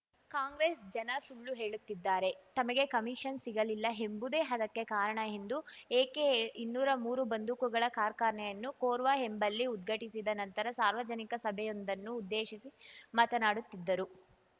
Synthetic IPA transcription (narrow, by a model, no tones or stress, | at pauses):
kaːŋɡɾeːsd͡ʒɐnɐsuɭːuɦe̞ːɭut̪ːid̪ːaːɾe̞t̪ɐmɐɡe̞kɐmiʂɐnsiɡɐlilːɐɦe̞mbud̪eːɦɐd̪ɐkːe̞kaːɾɐɳɐɦend̪ueːkeinːuːɾɐmuːɾubɐnd̪ukuɡɐɭɐkaːɾkaːɾɳɛjɐnːukoːɾʋaɦe̞mbɐlːiud̪̚ɡʱɐʈisid̪ɐnɐnt̪ɐɾɐsaːɾʋɐd͡ʒɐnikɐsɐbʱɛjo̞nd̪ɐnːuːd̪ːeːʃisimɐt̪ɐnaːɽut̪ːid̪ːɐɾu